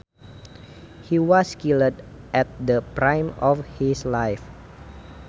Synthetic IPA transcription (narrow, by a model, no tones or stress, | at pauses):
hiwɔskilədʔɛt̪̚dəpɾãjmɔfhislajf